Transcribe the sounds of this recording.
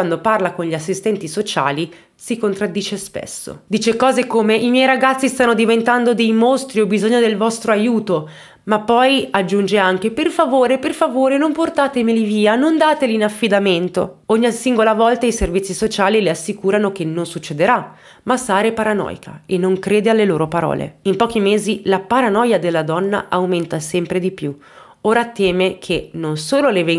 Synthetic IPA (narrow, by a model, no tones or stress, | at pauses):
wand̪oparlakonʎias̬ːist̪ɛnt̪isot͡ʃa̰ːli | sikont̪ɾad̪ːiːt͡ʃespḛsːo̰d̪iːt͡ʃekɔːzekomeʔimjɛjɾaɡat̪sːist̪anːod̪ivent̪and̪od̪ɛjmost̪ɾiobizoɲːod̪elvɔst̪ɾoajuːt̪o | mapːɔjad͡ʒːund͡ʒeaŋk̟eperfavoːɾeperfavoːɾenomport̪aːt̪emiliviːanond̪aːt̪eliːnafːid̪ament̪o̰ | oɲːisiŋɡolavɔlt̪aiservit̪sːisot͡ʃaːlileasːikuːɾanok̟enːonsut͡ʃːed̪eɾa | masaːɾepaɾanɔ̰ːjkʰa̰enːoŋkɾeːd̪ealːeloːɾopaɾɔ̰ːlḛimpɔːk̟imeːzilapaɾanɔjad̪elːad̪ɔnːa̰ʔawment̪asɛmpɾed̪ipju | oːɾaːt̪ːɛːmekʰenonsoːloleve